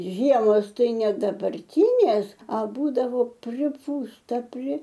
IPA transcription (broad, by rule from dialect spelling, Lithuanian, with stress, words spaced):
ˈʒʲiɛmoːs ˈtɐɪ ˈnʲɛ dɐbɐrʲˈtʲiːnʲeːs ɐ ˈbuːdɐʋoː pʲrʲɪˈpuːstɐ pʲrʲɪ